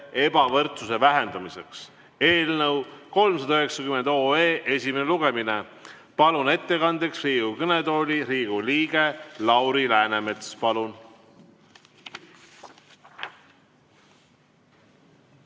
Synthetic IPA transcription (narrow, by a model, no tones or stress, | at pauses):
e̞bɑvɤrt̪susevæɦe̞nd̪̥ɑmise̞ks | e̞ːlnɤwko̞lmsɑd̪ɑøɦe̞ksɑkymend̪̥o̞ːeːʔe̞sʲimeneluɡ̥e̞mine̞ | pɑlune̞t̪ːe̞kɑnd̪e̞ksriːɡ̥ukɤned̪o̞ːlʲiɾiːɡ̥uliːɡ̥e̞lɑwɾilæːneme̞t̪spɑlun